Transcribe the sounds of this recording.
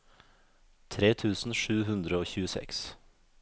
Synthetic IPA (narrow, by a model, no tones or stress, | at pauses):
t̪ʰɾeːt̪ʰʉːsn̩ʂʉːɦʉnd̪ɾəoːçʉːəsɛ̰ks